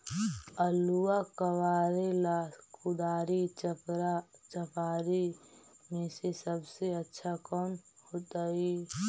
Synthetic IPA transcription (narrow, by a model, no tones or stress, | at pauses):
əluakəwaːɾelaskʊd̪aːɾit͡ʃ | t͡ʃəpaːɾimẽsesəbseətːʃʰakɔːnhoːt̪ai